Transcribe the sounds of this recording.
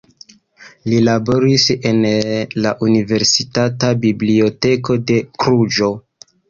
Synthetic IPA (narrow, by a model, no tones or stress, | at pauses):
lilabo̞ɾise̞nlaʔunive̞ɾsitatabiblio̞te̞ko̞de̞kɾud͡ʒo̞